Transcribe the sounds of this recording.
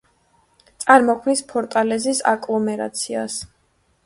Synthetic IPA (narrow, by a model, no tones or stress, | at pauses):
t̪sʼaɾmɔkʰmnispʰɔɾt̪ʼalɛzisa̰kʼlˠɔmɛɾa̰t̪sʰia̰s